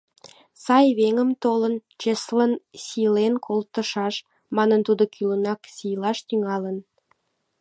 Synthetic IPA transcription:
sɑjβeŋəmt̪olənt͡ʃeslənsilenkʰolt̪əʃɑʃ | mɑnənt̪ud̪okʰylənɑksijlɑʃt̪yŋɑlən

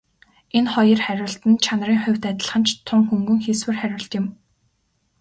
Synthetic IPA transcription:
enχɔjə̆rχæɾʲʊ̆ːɬt̪ɘ̆nt͡ɕʰan̆riːŋχʊ̟wʲt̪æt̪ə̆ɮχə̆nt͡ɕt̪ʰʊŋxuŋɡɵ̆ŋxeswɘ̆rχæɾʲʊ̆ɬt̪jɪ̆m

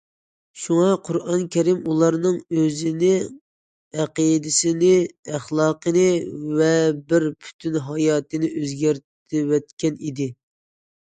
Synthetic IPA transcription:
ʃuŋɑqʰʊɾɑnkʲʰɛɾimulˠɑɾnɨŋøzɪnɪ | æqid̪ɪsɪnɪæχlˠɑːqʰənɨvɛbɪɾpʰy̥t̪ʰynɦɑjɑːt̪ɨnɪʔøzɡʲæɾt̪ | ɪwɛt̪kʲɛnid̪ɪ

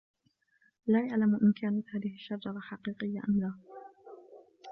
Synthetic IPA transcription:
laːjaʕlamʔɪnkaːnat̪haːðɪhɪʃːad͡ʒɑɾˤɑħɑqiːqɪjːaʔamlaː

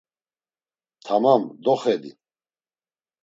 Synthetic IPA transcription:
t̪ʰamamd̪ɔχɛd̪ḭ

